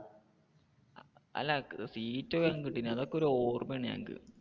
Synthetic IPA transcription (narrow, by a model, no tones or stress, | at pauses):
ɐ̰lːɐsiːtːoaŋkiʈːinɨɐðokːeo̞ɾuoːrmjaːɳɨɲa̰ːŋkɨ̰